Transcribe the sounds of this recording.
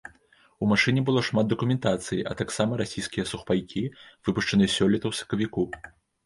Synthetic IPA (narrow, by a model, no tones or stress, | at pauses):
umaʂɨnʲɛbɨlˠɔʂmad̪̚d̪ɐkumʲɛnt̪at̪sɨjiʔɐ̰t̪aksamɐɾasʲijskʲijɐsuxpajkʲivɨpuʂt͡ʂɐnɨsʲɔlʲit̪ɐwsɐ̥kɐvʲiku